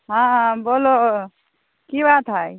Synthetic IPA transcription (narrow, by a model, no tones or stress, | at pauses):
ɦãɦãboːlo | kibaːt̪ɦaj